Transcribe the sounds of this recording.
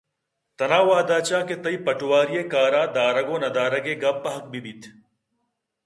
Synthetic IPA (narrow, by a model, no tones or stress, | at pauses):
t̪ɐnaːʋaːd̪aːt͡ʃaːket̪ɐipɐʈʊwaːɾijekaːɾaːd̪aːɾɐɡoːnɐd̪aːɾɐɡeɡɐbːɐɦɐk̚bibit̪ʰ